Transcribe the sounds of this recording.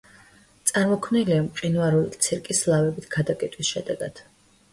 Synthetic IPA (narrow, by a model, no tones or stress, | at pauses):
t̪sʼaɾmɔkʰmniliamqʼinwaɾulit̪sʰɛɾkʼislˠavɛbit̪ʰɡ̥ad̪akʼɛt̪ʼwisʃɛd̪ɛɡ̥ad̪̥